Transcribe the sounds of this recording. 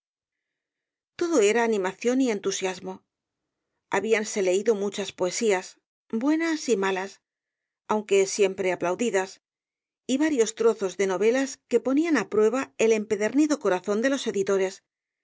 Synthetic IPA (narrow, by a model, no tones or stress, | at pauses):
t̪o̞ðo̞e̞ɾaːnĩmaθjo̞nie̞nt̪usjazmo̞ | aβianse̞le̞iðo̞mut͡ʃaspo̞e̞sias | bwe̞nasimalas | awŋke̞sje̞mpɾe̞aplawðiðas | iβaɾjo̞st̪ɾoθo̞zðe̞no̞β̞e̞laske̞po̞nianapɾwe̞β̞ae̞le̞mpe̞ðe̞ɾniðo̞ko̞ɾaθo̞nd̪e̞lo̞seðit̪o̞ɾe̞s